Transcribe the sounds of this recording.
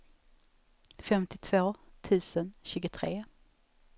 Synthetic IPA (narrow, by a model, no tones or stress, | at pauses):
fɛmt̪ɪt̪ʰvoːt̪ʰʉ̟ːsənɕʉːɡʊt̪ʰɾeː